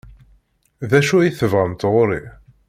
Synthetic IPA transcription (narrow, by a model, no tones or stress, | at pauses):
ðæʃuæjiθəvʁəmt̪ʁʊɾḭ